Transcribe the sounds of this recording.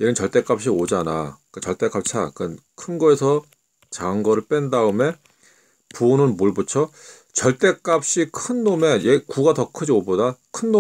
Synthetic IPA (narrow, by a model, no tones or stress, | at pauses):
jeɡɯnt͡ɕʌɭt͈e̞k͈ap̚ɕ͈iod͡ʑana̰k͈at͡ɕʌɭt͈e̞k͈ap̚t͡ɕʰakankʰɯnɡoesʰʌ | t͡ɕaŋɡʌɾɯɭp͈endaɯme̞ | punɯnmuɭbut͡ɕʰo | t͡ɕʌɭt͈e̞k͈ap̚ɕ͈ikʰɯnːome̞jekuɡatʌkʰɯd͡ʑiobodakʰɯnːo